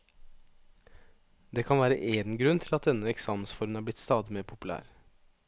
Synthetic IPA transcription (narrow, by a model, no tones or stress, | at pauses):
d̪eːkʰɑnʋæːɾə̰ʔeːnɡɾʉnt̪ʰɪlɑt̪̚d̪ɛnːəɛksɑːmənsfɔɾmənhæːɾb̪lɪt̪st̪ɑːd̪ɪmeːɾpʰʊpʉlæ̰ːɾ